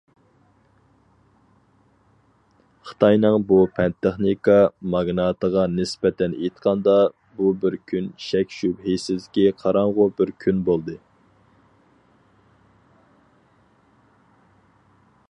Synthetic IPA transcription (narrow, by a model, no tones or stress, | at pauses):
χə̥t̪ʰɑjnɨŋbupʰɛnt̪ʰeχnikɑmɑɡnɑt̪əʁɑnɪspɛt̪ʰɛnejt̪qʰɑnd̪ɑ | bubɪɾkʲʰynʃɛkʲʃybɦejsɪzd̪ɪkʲiqʰɑɾɑɴʁʊbɪɾkʲʰynbolˠd̪ɨ